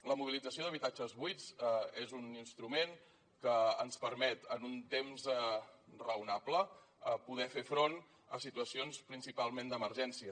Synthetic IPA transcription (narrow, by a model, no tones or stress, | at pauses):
ləmuβilid͡zəsioðəβit̪ad͡ʒəzβujd͡zezuninst̪ɾumen | kəːnspəɾmɛt̪ənunt̪emz | rəunaplə | əpuð̞ɛfefɾon | ə̰sit̪uəsionspɾinsipalˠmend̪əməɾʒɛnsiə